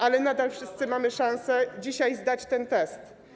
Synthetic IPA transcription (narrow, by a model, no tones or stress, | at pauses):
ʔalɛnad̪alfʂɘst̪sɘmamɘʂãñsɛd͡ʑiɕajzd̪at͡ɕt̪ɛnt̪ɛst̪